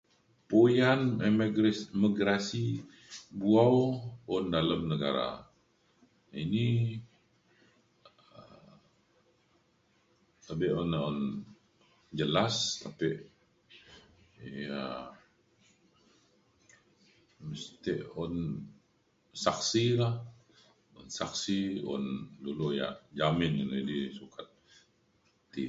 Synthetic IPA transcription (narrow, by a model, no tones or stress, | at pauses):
pojanmɡmiɡɾasi | buawɔndaləmnəɡa̰ɾa̰ | ini | əm | t̪abɪʔɔnɔn | d͡ʒəlast̪ʰapiʔ | ja | məst̪iʔɔn | saksilah | ɔnsaksiɔ̰nduluja̰ʔd͡ʒamɪnanadisukʰat̪̚ | i